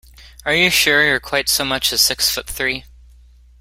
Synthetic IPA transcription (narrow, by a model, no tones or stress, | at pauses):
ə˞jɨʃʊɹjə˞kʰw̥aɪtsoʊmʌt͡ʃɨz̥sɪksfʊt̪̚θɹi